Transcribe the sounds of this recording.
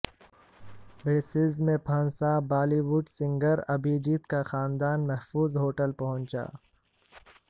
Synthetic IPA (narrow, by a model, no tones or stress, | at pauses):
beːsɪzmẽpʰɐ̃nsabaːliwuɖsɪ̃ŋɡəɾɐbiːd͡ʒiːt̪kaxaːnd̪aːnmɛɦfuːzɦoːʈəlpɐɦʊ̃nt͡ʃa̰ː